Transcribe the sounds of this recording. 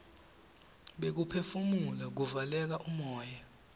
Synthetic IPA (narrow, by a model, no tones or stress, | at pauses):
ɓek̬upʰefumulak̬uvalɛk̬aʔumɔːja